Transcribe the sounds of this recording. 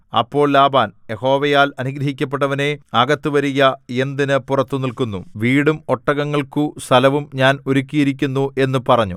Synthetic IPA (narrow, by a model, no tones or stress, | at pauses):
ɐ̰pːo̞ːɭlaːbaːnje̞ho̞ːʋɐjaːlɐniɡɾɐɦikʲːɐp̬ːe̞ʈ̬ːɐʋɐne̞ɐɡɐt̪ːuʋɐɾijɐe̞nd̪inɨpurɐt̪ːunilkunːuʋiːɽumo̞ʈːɐɣɐŋːɐɭkust̪ʰɐlɐʋumɲaːno̞ɾukʲːijiɾikʲːunːuʔe̞nːupɐrɐɲːu